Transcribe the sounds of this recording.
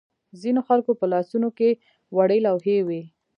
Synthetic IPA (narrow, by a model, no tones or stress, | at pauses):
zinoxalkopəlɑsunoke | waɽelawɦewi